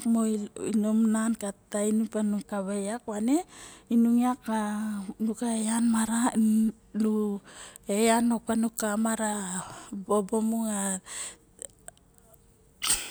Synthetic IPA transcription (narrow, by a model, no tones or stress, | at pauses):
kmoinomnankatainupanuŋkaβejakwane̞inuŋiakanukaejanmaɾa | nu | ejanopanukamaɾa | bobomuŋa